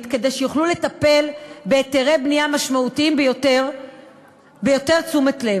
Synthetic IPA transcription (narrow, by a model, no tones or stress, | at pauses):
t̪ke̞d̪e̞jʃejuχlule̞t̪ɐpe̞lbeːt̪eʁejbniamaʃmaut̪iimbjoteʁ | bejo̞t̪e̞ʁt͡sumet̪le